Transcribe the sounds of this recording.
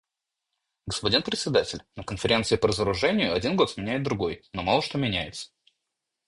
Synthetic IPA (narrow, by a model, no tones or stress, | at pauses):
ɡəspɐdʲinpɾʲɪt̪sʲɪd̪atʲɪlʲnəkənfʲɪɾʲe̞nt̪sɨɪpəɾəzəɾʊʐɛnʲɪjʊɐdʲinɡo̞t̪smʲɪnʲæjɪt̪̚d̪ɾʊɡo̞jno̞malˠəʂt̪o̞mʲɪnʲæjɪt̪sə̥